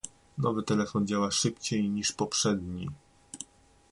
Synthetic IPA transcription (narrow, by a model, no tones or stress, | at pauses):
nɔvɘt̪ɛlɛfɔnd͡ʑawaʂɘpt͡ɕejɲiʂpɔpʂɛd̪ɲi